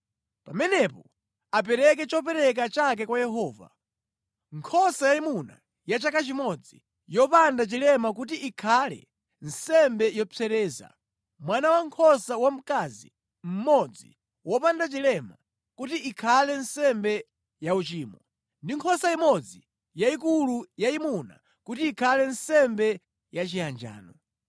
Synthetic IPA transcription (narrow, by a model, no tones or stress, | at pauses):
pamɛnɛpɔ | apɛɾɛk̬ɛt͡ʃɔp̬ɛɾɛk̬at͡ʃak̬ɛkwajɛɦɔːva̰ | ŋkʰɔsajaimuna̰ | jat͡ʃakat͡ʃimɔd͡zi | jɔpandat͡ʃilɛmak̬ut̬iʔːkʰalɛ̰ | n̩sɛmbɛjɔt͡sʰɛɾɛːza̰ | mwanawaŋkʰɔsawam̩kazḭ | m̩mɔd͡zi | wɔpandat͡ʃilɛma | kutiikʰalɛnsɛmbɛ | jaut͡ʃiːmɔ | ndiŋkʰɔsaimɔd͡zi | jaikulujaimuna̰ | kutiːkʰalɛnsɛmbɛ | jat͡ʃiand͡ʒa̰ːnɔ